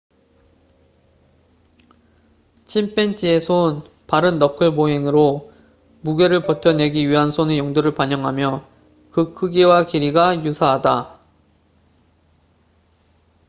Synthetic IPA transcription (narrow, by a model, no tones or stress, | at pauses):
t͡ɕʰimpʰent͡ɕ͈ʰie̞sʰon | paɾɯnːʌkʰɯɭmoɦe̞ŋɯɾo | muɡe̞ɾɯɭpʌtʰʌne̞ɡiɥiɦansʰonejʌŋduɾɯɭpaɲʌŋɦamjʌ | kɯkʰɯɡiwakiɾiɡajusʰaɦada